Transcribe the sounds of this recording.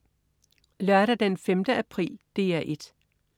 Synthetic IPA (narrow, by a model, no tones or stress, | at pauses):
lɶɐɾ̥ɐd̥enfemd̥əæpʰʁḭːld̥e̝̰ːæʔe̝d̥